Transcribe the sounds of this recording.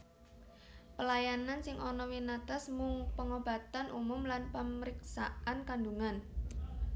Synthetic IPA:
pəlajanansɪŋʔɔnɔwinat̪asmuŋpəŋob̥a̤t̪anʔumʊmlanpəməɾiksaʔankanduŋan

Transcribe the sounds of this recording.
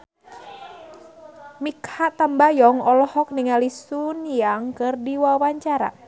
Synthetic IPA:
mikhat̪ambajɔŋɔlɔhɔk̚niŋalisuniaŋkɨrdiwawaɲt͡ʃaɾa̰

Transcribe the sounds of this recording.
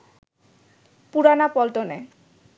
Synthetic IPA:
puɾanapɔlʈone

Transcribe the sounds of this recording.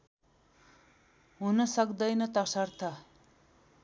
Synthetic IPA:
ɦunʌsʌkd̪ʌjnʌt̪ʌsʌrt̪ʰʌ

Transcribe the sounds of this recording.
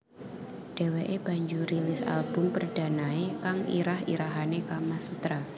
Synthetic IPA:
d̥eweʔeb̥aɲd͡ʒuɾilɪsa̰lb̥ʊmpərd̥anaekaŋḭɾahḭɾaɦanekamasut̪ɾa

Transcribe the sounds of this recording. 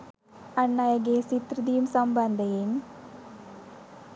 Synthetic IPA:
ɐnːajɐɡesit̪ɾɨd̪ijumsɐmbɐnd̪ɐjɪn

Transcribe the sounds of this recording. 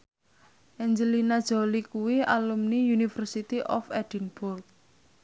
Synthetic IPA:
ʔɛɲd͡ʒəlinad̥ʒ̥o̤likuwiʔalumniunifərsit̪iʔɔ̰fɛd̥inbʊrk̚

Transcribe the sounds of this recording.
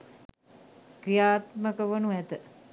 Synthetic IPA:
kɾijaːt̪məkəʋənuæt̪ə

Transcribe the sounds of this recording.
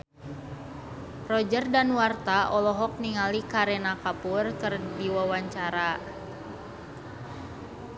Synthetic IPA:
rɔd͡ʒərdanwart̪aʔɔlɔɦɔk̚niŋalikaɾɛnakapurkɨrdiwawaɲt͡ʃaɾa

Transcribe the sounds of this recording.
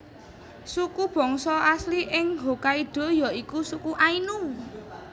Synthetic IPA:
sukub̥ɔ̤ŋsɔasliʔɪŋɦo̤kaiɖ̥ɔ̤jɔikusukuʔainu

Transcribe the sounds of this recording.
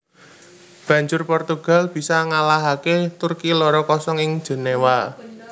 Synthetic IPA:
b̥ä̤ɲd͡ʒʊrpɔrt̪uɡ̥a̤lb̥i̤saŋalaɦaket̪ʊrkilɔɾɔkɔsɔŋɪŋ̥ʒ̥e̤newa

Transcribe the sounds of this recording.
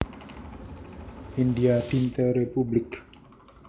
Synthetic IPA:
ʔindiad̥int̪ɛɾepublɪk

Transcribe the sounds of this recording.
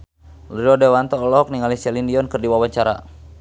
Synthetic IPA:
ləiɔdɛwant̪ɔːlɔk̚niŋalisɛlindiɔnkɨrdiwawaɲt͡ʃaɾa̰

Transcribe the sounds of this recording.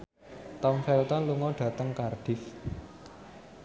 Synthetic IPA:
t̪ɔmfɛlt̪ɔnluŋɔɖ̥ä̤t̪əŋkarɖ̥ɪf

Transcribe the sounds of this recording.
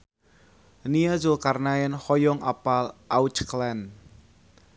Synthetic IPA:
niazokarnaɛnhɔjɔŋa̰palʔawt͡ʃklan

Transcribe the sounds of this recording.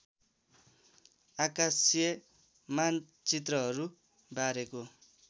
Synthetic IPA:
akasjʌ | man | t͡sit̪rʌɦʌɾu | baɾeko

